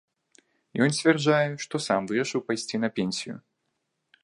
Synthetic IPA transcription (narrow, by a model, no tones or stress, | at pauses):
jɔnsʲt̪ʲvʲɛrʐajɛʂt̪ɔsamvɨɾɐʂɨwpajsʲt͡sʲinɐpʲenʲsʲijʊ̰